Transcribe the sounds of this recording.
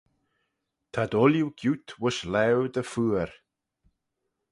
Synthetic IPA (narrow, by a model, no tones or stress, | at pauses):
t̪ʰad̪ɔljuɡjut̪ʰwʊʃlɛɹd̪əfuːəɾ